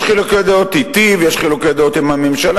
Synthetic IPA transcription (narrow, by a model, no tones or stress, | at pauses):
χiloked̪aot̪it̪ivjeʃχiloked̪aot̪imamemʃal